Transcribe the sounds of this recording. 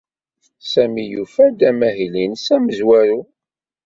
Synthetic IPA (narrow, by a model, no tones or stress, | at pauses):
sæmijufæd̪æmæɦilinsæməzwæɾu